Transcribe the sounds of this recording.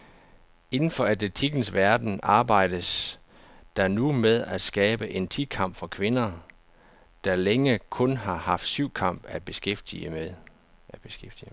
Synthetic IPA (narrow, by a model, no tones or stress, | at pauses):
e̝nn̩fɒ̽æd̥et͡sʰiɡ̥n̩sʋæɐd̥n̩ʔɑ̈ːb̥ɑ̈ɪ̰d̥əs | d̥ɑnumeðˠæd̥sɡ̥ɛːb̥əʔe̝nt͡sʰi̥kʰɑ̈m̰b̥fɒ̽kʰʋe̝nɐ | d̥ɑ̈leŋəkʰɔ̽nɦɑ̈hɑ̈fd̥syʊ̰kʰɑ̈m̰b̥æb̥e̝sɡ̥efd̥iə | æb̥e̝sɡ̥efd̥i